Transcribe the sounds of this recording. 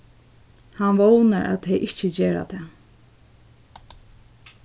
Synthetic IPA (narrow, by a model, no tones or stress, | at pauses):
hanʋownaɹʔa̰t̪ʰɛjʔɪht͡ʃəd͡ʑeːɹa̰t̪ʰɛː